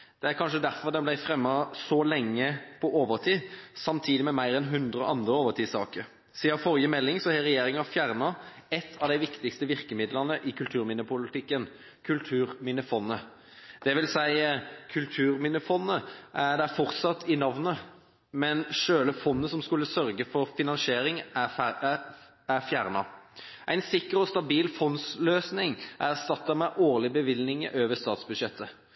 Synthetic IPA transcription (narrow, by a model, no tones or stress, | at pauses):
d̪̥ɛæɾkʰɑnʂəd̪æɾfɔʁd̪ɛnblæɪfɾɛmːɑsɔlɛŋːəpʰɔʔoːʋəɾt̪ʰiːsɑmt̪ʰiːd̪ɪmɛmæɪɾɛnɦʉnd̪ɾʁəɔ̰ʔɑnd̪ɾəoːʋəʁt̪ʰiːsɑ̰ːkəɾ | siːɑfɔʁjəmɛlːɪŋsɔhɛʁɛjeːɾɪŋɑfjæʁnɑ | ɛt̪ːʰɑʋd̪æɪʋɪkt̪ɪkst̪əʋɪɾkəmɪd̪ləʁnəʔɪkʰʉlt̪ʰʉːɾmɪnəpʊlɪt̪ʰɪkːən | kʰʉlt̪ʰʉːʁmɪnəfɔnːə | d̪̥ɛʋɪlsæɪkʰʉlt̪ʰʉːʁmɪnəfɔnːəʔæd̪ɛæfɔʁt̪sɑt̪ːʰɪnɑʋnə | mɛnʂøːləfɔnːəsɔmskʉlːəsœɾɡəfɔɾfɪnɑnseːɾɪŋ | æɾfjæʁnɑʔæɪnsɪkːəɾɔst̪ɑbiːlfɔnsløːsnɪŋʔæʁst̪ɑt̪ːɑmɛʔoːʁlɪbəʋɪlnɪŋə̰ʔøːʋəst̪ɑːt̪sbʉd̪ʂɛt̪ʰːə